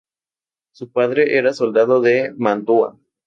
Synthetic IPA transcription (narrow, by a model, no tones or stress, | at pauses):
supaðɾeʔeɾaso̞ld̪aðoðemant̪ua̰